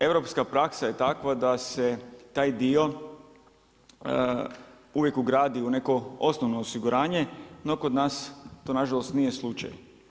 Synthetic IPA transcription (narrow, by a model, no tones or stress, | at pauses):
e̞ʋɾo̞pskapɾaksaje̞t̪akʋad̪ase̞t̪aːjd̪io̞ | uʋje̞kuɡɾaːd̪iune̞ko̞o̞snoʋnoːsiɡuɾʔaːɲe̞no̞kod̪naːst̪oːnaʒalˠost̪nije̞slˠut͡ʃa̰j